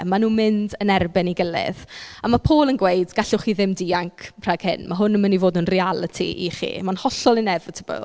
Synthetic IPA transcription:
manuːmɪndənɛrbɪniɡəlˠɪ̰ðamapʰoːlˠənɡwejdɡ̥aɬʊχiðɪmdiːaŋkʰpʰraɡ̥hɪ̰nmaɦʊnəmənivoːdnənrialˠətʰḭʔḭχḭmanhɔɬɔlˠənɛvətʰəbə̰

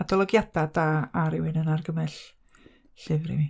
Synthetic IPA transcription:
adɔlˠɔɡjadadaːaɾɪwɨnənarɡəmɛɬ | ɬɪvɾḭmi

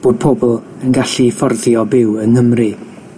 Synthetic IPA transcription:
b̥oːd̚pʰɔbɔlˠ | ənɡaɬifɔrðjɔbɪwənhəmrɨ

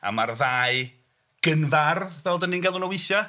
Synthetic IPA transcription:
a̰marðaːɨ | ɡ̥ənvarðvɛlˠdənːinɡɛlˠʊnɔwɪθjɔ

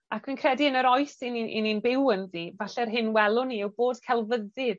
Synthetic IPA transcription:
akʰwinkʰrɛdiənəɾɔjsiniʔḭninbɪwənðivaɬɛrɦɪnwɛlˠʊniɛwboːd̥kʰɛlˠvəðɪð

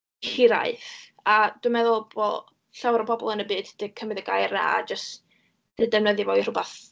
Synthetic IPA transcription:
hiɾa̰ɨθad̥wɨmɛðʊlˠbɔlˠ | ɬawɾɔpʰɔbɔ̰lˠənəbɨːdd̥ɨkʰəmɨðəɡajrna̰a̰d͡ʒəst | d̥ɨːdɛwnəðjɨvɔr̥ʊbaθ

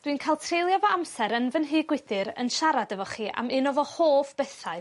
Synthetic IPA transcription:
d̥winkʰajlˠtʰrejlˠjavɔamsɛɾənvənɦɪːɡwɪθɨɾə̰nʃaɾadəvɔχiːʔa̰mɪnɔvɔhoːfb̥ɛθaɨ

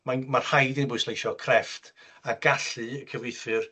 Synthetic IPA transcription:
manmar̥hajdɪnbʊɨslˠejʃɔkʰrɛftʰ | aɡ̥aɬɨəkʰəvɪjθɨr

